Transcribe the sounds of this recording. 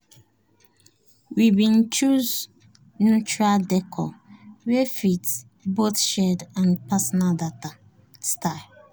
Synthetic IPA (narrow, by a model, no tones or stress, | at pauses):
wibĩnt͡ʃuz | nut͡ʃɹaldɛkʰɔwɛfit | boθʃɛdãnpasɔnaldata | staɪ